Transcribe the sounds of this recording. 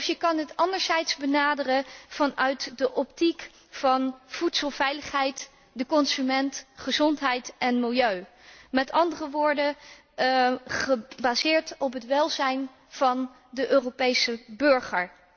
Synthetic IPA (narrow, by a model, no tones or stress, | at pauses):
fjəkɑnɦətɑndəɹzɛjtzbənaːdərəv̥ɑnœɥtdəʔɔp̚tik | fɑnv̥utsəlˠvɛjləχɦɛjt | dəkɔnsymɛntχəzɔntɦɛjtʔɛnmɪlˠjøɥ | mɛtɑndərəʋʊːɹdə | χəbaːzɪːɹtɔp̬ɦətʋɛlˠzɛjn | v̥ɑn | dəʔøːropejsəbɵɹχəɹ